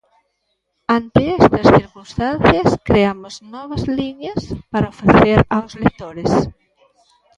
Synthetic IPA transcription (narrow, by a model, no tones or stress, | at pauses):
ant̪eɛst̪ɐsθiɾkunst̪anθjɐskɾeamʊznɔβ̞ɐzliɲɐspaɾɐofaθθeɾawslek̚t̪oɾes